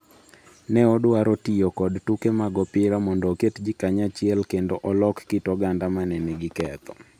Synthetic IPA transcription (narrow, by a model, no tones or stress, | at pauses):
nɛɔdwaɾotijokɔdtukemaɡɔpɪɾamɔndɔketd͡ʒikaɲat͡ʃɪɛlkendoʔɔlɔkːɪtɔɡandamanɛnɛɡɪkɛt̪ɔ̥